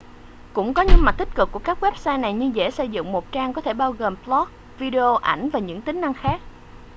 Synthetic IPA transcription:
kʊ̰˧˥ŋ͡mkɔ˨˦ɲɨ̰˧˥ma˨˩t̚t̪ï˦˥t̚kɨ˨˩kːu˧˩əkaː˦˥k̚wɛ˦˥p̚saː˧jna˨˩jɲɨ˧zḛ˧˥sə˧˩jzɨ̰˧˨ŋmo˨˩t̚t͡ɕaː˧ŋkɔ˨˦t̪ʰe˧˩ɓaː˧wɣo˨˩mplɔ˦˥t̚ | vi˧ɗe˧o˧ʔa˧˩jŋ̟vaː˨˩ɲɨ̰˧˥ŋt̪ï˨˦ŋ̟na˧ŋxaː˦˥k̚

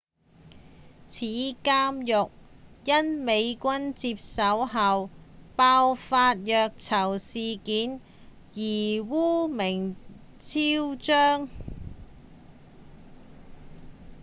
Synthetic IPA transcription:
t͡sʰiː˨˥kaː˥mjʊ˨k̚jɐ˥nme˨˧jkʷɐ˥nt͡siː˧p̚sɐ˨˥wɦɐ˨wpaː˧wfaː˧t̚jœː˨˧k̚t͡sʰɐ˨˩wsiː˨kiː˨˥n | jiː˨˩wuː˥mɪ˨˩ŋ | t͡sʰiː˥wt͡ʃœː˥ŋ

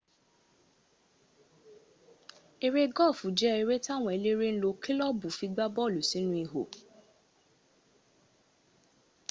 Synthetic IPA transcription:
e˧ɾe˦ɡɔ˦˨fũ˨˦d͡ʒɛ˦e˧ɾe˦ta˦˨w̃ɔ̃˧e˨˧le˦ɾe˦n̩˦lo˧ki˦lɔ˦bu˨fi˧ɡ͡ba˦bɔ˦˨lu˨si˨˦nũ˦i˧ɦo̰˨

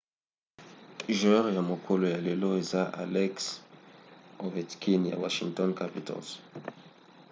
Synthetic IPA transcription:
ʒɛ˦ʁja˨mo˨kʰo˦lo˨ja˨le˨lo˦e˨za˦ʔa̰˨lɛ˦ks | o˨vɛ˨tkʰi˦nja̰˨wa˨ʃiŋtɔ˦nkapi˨tɔ̰˨lz

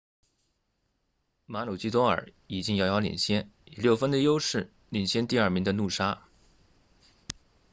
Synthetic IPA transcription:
ma˧˥lo˨˩t͡ɕi˥t̪wɔ˥ŋə̰˞˨˧˩ | i˨˩t͡ɕi˥ŋjɑ˧˥ʊjɑ˧˥ʊlḭ˨˩nɕjɛ˥ni˨˩ljo˥˩ʊfə˥nd̪ə˨jo˥ʊʂɻ̩˥˩ | li˨˩nɕjɛ˥nt̪i˥˧ɐ˞˥˩mi˧˥ŋd̪ə˧nu˥˩ʂa˥

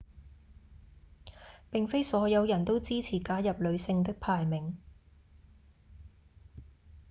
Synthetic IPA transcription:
pɪ˨ŋfe˥jsɔː˨˥jɐ˨˧wjɐ˨˩nt̪o˥wt͡siː˥t͡sʰiː˨˩kaː˨˥jɐ˨p̚lɵ˨˧ɥsɪ˧ŋt̪̬ɪ˥k̚pʰaː˨jmɪ˨˩ŋ

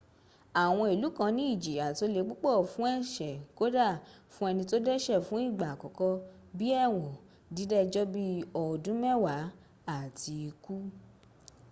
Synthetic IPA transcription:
a˨w̃ɔ̃˧i˨lu˨˦kã˧nĩ˦i˦˨d͡ʒi˨a˨to˧le˨˧˦ɡ͡bu˦k͡pɔ˦˨fũ˨˦ɛ˦˨ʃɛ˨ko˨˦da˦˨fũ˦ɛ˧nĩ˧to˦dɛ˦ʃɛ˦˨fũ˨˦i˦˨ɡ͡ba˨kɔ˨˦kɔ˦ | bi˦ɛ˦˨w̃ɔ̃˨ | di˨˦dɛ˦˧d͡ʒɔ˦bi˦ɔ˨dũ˨˦mɛ˦wa˨˦ | a˦˨ti˧i˧ku˦

